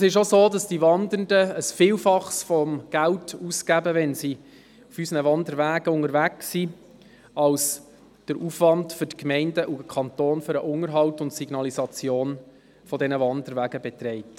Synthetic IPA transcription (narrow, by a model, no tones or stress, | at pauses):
sɪʃozoːdɑsd̥iʋɑndəndəːsfiːlfɑχsfɔmɡ̥æltuskæbəʋɛnsi | ufysənəʋɑndəɾʋæːɡ̥əʊŋəɾvæksi | ɑls | d̥əɾʔufʋɑndfʏɾtkmɛɪndəʔuəkʰɑntoːnføɾəʔʊŋəɾɦɑwtʊntsiɡ̥nɑlizɑt͡sjoːn | fɔdɛnəʋɑndəɾvæːɡəbɛt̪ɾɛɪt